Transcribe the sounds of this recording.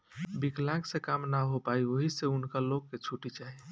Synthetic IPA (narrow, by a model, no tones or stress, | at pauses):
biklãksekamnaɦopaioɦiseunkaloɡːet͡ʃʰuʈit͡ʃaɦi